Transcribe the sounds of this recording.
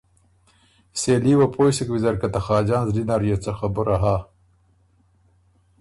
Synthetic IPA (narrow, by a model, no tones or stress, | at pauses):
seːliːwapʰoːjsikwizɐɾkat̪ɐxɑːd͡ʒɑːnzlinaɾjot͡saxabʊɾaɦaː